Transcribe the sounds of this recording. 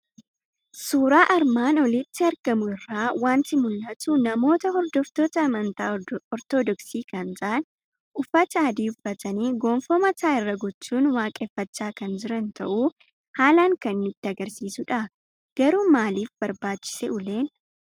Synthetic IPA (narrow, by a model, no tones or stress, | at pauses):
suːɾaːʔɐɾmaːnɔlɪt̪ːɪɐɾɡɐmʊɪrːaːwaːnt̪ɪmʊlːɐt̪ʊnɐmo̞ːt̪ɐɦɔɾd̪ɔft̪oːt̪ɐːmɐnt̪aːɔɾt̪od̪ɔksiːkɐnt̪aːn | ʔʊfɐt͡ʃːaːd̪iːʊfːɐt̪ɐniːɡoːmfɔːmɐt̪aːɪrːɐɡɔt͡ʃːuːnwaːkʼɛfːɐt͡ʃːaːkɐnd͡ʒɪɾɐnt̪ɐ̰ʔuː | haːlaːŋkɐnmɪt̪ːɪɐɡɐɾsiːsʊᶑɐ | ɡ̥ɐɾuːmaːliːfbɐɾbaːt͡ʃːɪ̥sɛʔʊleːn